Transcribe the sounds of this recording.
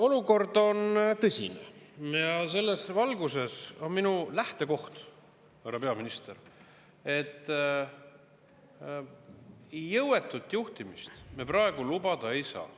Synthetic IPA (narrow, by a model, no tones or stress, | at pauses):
o̞luko̞rd̪o̞nt̪ɤsʲḭnḛjɑse̞lːe̞svɑlɡuse̞so̞nminulæht̪e̞ko̞ht̪ | ɑɾɑpe̞ɑminist̪e̞r | e̞t̪ː | jːɤwe̞t̪ːˑut̪ːˑjuht̪imist̪meprɑe̞ɡ̥ulubɑd̪̥ɑe̞jsɑ̰ː